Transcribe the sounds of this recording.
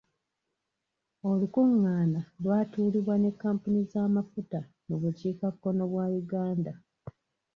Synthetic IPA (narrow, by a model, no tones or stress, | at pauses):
o̞lukuŋːaːnalwaːtuːliβwane̞kːaːmpunizaːmafuta | muβuciːkakːo̞no̞βwaːjuɡaːnda